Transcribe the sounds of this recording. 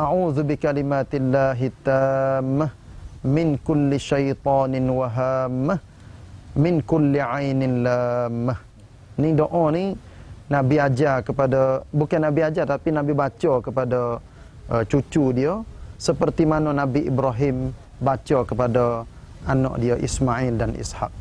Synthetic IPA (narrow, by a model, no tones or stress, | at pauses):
ʔaʕuːðubikalimat̪ilːaɦit̪amːahmɪnkʊlːiʃajt̪ɑːnɪnwaɦamːah | mɪnkʊlːiʕajnɪnlamːah | nidoʔɔ̃ni | nãbiad͡ʒakəpadəbukanːabiad͡ʒat̪apinabibat͡ʃəkəpadə | ʔət͡ʃut͡ʃudiəsəpərt̪imanənabiʔibɾaɦɪm | bat͡ʃəkəpadə | ʔanɔ̰ʔdiəʔḭsmaʔɪldanʔḭsha̰k̚